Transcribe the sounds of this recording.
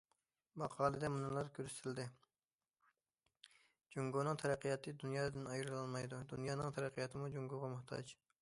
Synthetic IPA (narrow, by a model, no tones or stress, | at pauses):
mɑqʰɑːlˠɨd̪ɛmunɨlˠɑɾkʲʰøɾst̪ʰɪld̪ɪ | d͡ʒuŋɡonɨŋt̪ʰɛɾɛqʰːijɑt̪ʰɨd̪unjɑːd̪ɪnɑjɾɨlˠɑlˠmɑjd̪ud̪unjɑːnɨŋt̪ʰɛɾɛqʰːəjɑt̪ʰɨmud͡ʒuŋɡoʁɑmʊht̪ʰɑ̰d͡ʒ